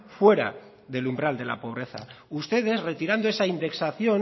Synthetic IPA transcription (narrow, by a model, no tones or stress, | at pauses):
fwe̞ɾa̰ | ðe̞lumbɾald̪e̞la̰po̞β̞ɾe̞θa̰ust̪e̞ð̞e̞sret̪iɾand̪oesaind̪e̞ksaθjo̞n